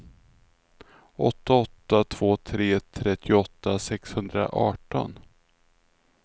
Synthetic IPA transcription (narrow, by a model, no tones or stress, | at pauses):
ʔɔt̪ːaɔt̪ːat̪ʰv̥oːt̪ʰɾeːt̪ʰɾɛt̪ʰːɪʊɔt̪ːasɛkshɵnd̪ɾa̰ʔɑːʈɔ̰n